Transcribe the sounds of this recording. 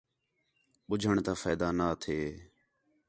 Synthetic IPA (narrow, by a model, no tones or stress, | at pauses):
ɓʊd͡ʒʱəɳt̪aːfəːd̪aːnaːt̪ʰeː